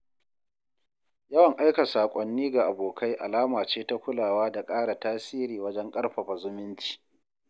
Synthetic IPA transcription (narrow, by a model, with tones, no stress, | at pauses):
jɐ˦wɐ˨ŋʔa˦jka˨saː˨kʷʼɔ˨nːiː˦ɡa˨ʔa˨boː˨kʰa˦jʔa˨laː˦maː˨t͡ʃeː˦ta˦kʷʊ˦laː˨waː˦da˨kʼaː˦ɽa˨taː˦siː˦ɾiː˨wɐ˦d͡ʒɛ˦ŋkʼɐ˦ɽɸa˨ɸa˨zʊ˦mɪ˦nt͡ʃi̥ː˨